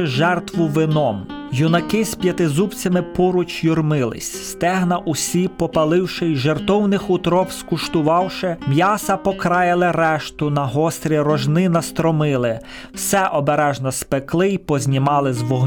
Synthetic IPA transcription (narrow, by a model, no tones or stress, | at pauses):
ɪʒɛrt̪ʋʊʋɪnɔmjʊnɐkɪsʲpʲjɐt̪ɪzupt͡sʲɐmɪpɔɾʊt͡ʃjʊrmɪlˠɪ̰sʲst̪ɛɦnɐʔʊsʲipɔpɐlˠɪwʃɪjʒert̪ɔwnɪxʊt̪ɾɔpskʊʃt̪ʊʋɑwʃɛmʲjɑsɐpɔkɾɑjɪlˠɪɾɛʃt̪ʊnɐɦɔst̪ɾʲiɾɔʒnɪnɐst̪ɾɔmɪlˠɪ | wsɛʔɔbeɾɛʒnɔspeklˠɪjpɔzʲnʲɪmɑlˠɪzʋɔɦ